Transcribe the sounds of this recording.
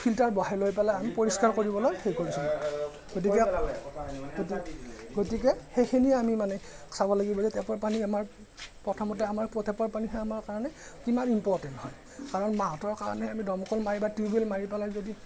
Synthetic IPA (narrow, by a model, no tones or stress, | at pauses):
pʰiltaɹbɔɦajlojpɛlaamipoɹiskaɹkoɹibɔlojxejkoɹisul | ɡot̬ikɛ | ɡot | ɡotik̬ɛxejkʰiniɛamimanɛ | sabɔlaɡibɔzɛtɛpɔɹpaniamaɹ | pɹɔtʰɔmɔt̬ɛamaɹpɹɔtʰɛpɔɹpaniɦɛamaɹkaɹɔnɛkimanimpɔɹtɛnthɔj | kaɹɔnmaɔtɔɹkaɹɔ̰nɛamidɔmɔkɔlmaɹibatɹibelmaɹipɛlajzodi